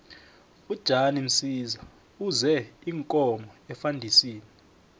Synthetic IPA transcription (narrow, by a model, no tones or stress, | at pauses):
ud̥ʒ̥ʱanim̩siza | uzɛiŋkʼɔmɔɛfandʱisiːni